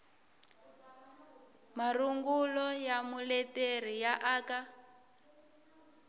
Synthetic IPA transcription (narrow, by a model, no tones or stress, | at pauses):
maruŋɡulɔjamulɛteɾ̤ijaʔaːka